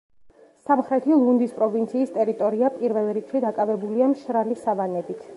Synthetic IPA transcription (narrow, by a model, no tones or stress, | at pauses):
samχɾɛt̪ʰilˠund̪ispʼɾɔvint̪sʰiːst̪ʼɛɾit̪ʼɔɾiapʼiɾvɛlˠɾikʰʃid̪akʼavɛbuliamʃɾalisavanɛbit̪ʰ